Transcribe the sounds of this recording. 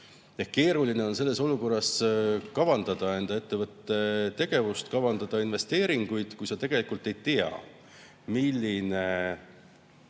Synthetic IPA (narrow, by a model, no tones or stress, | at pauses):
ehke̞ːɾuline̞o̞nse̞lːe̞so̞luko̞rːɑskɑvɑnd̪̥ɑd̪̥ɑe̞nd̪ɑe̞t̪ːevɤt̪ːe̞t̪e̞ɡ̥e̞vust̪kɑvɑnd̪̥ɑd̪̥ɑinve̞st̪e̞ːɾiŋɡ̥ujd̪̥kujsɑt̪e̞ɡ̥e̞likult̪ːe̞jt̪iɑ̰ | milʲːine̞